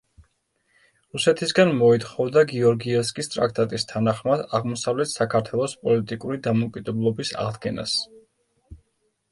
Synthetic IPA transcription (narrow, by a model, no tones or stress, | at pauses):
ɾusɛt̪ʰisɡanmɔit̪χɔvd̪aɡiɔɾɡiɛskʼist̪ʼɾa̰k̚ʰt̪ʼat̪ʼist̪ʰanaχmad̪aʁmɔsavlɛt̪sakʰaɾt̪ʰwɛlˠɔspʼɔlit̪ʼikʼuɾid̪amɔkʼid̪ɛblˠɔbisa̰ʁd̪ɡɛna̰s